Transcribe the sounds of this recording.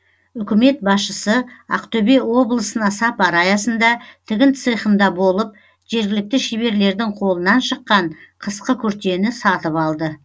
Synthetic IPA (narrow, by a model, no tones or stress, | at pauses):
ʏkʲɪme̞t̪̚bɑsʃəsəɑ̰qt̪ɵbe̞wo̞blˠəsənɑsɑpɑɾɑjɑsənd̪ɑt̪ʰɪɡʲɪnt̪sɨjχəmd̪ɑbo̞lˠəp̚ | ʒ̥e̞ɾɡʲɪlɪk̚t̪ɪʃebe̞ɾle̞ɾd̪ɪŋqʰo̞lˠənɑnʃəqːɑɴqʰəsqəkʲʰʏɾt̪e̞nɪsɑt̪əpɑlˠd̪ə